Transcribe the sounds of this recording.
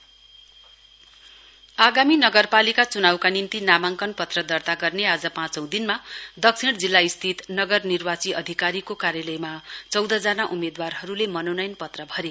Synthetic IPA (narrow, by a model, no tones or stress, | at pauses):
aɡaminʌɡʌrpalikat͡sunawkanimt̪inamaŋkʌnpʌt̪rʌd̪ʌrt̪aɡʌrnead͡zʌpãt͡sʌw̃d̪inmad̪ʌksʰiɽd͡zilːaist̪ʰit̪nʌɡʌrnirbat͡siʌ̰d̪ʱikaɾikokaɾjʌlʌjmat͡sʌwd̪ʱʌd͡zanaʔumed̪warɦʌɾulemʌnonʌjnpʌt̪rʌbʱʌɾe